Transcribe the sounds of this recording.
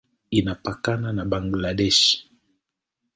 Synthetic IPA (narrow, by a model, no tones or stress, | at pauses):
inapakananaɓaŋɡlaɗɛʃ